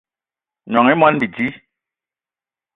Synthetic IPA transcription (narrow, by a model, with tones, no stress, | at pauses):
ɲɔ˨ŋi˦mwa˦nbi˨d͡ʒi˦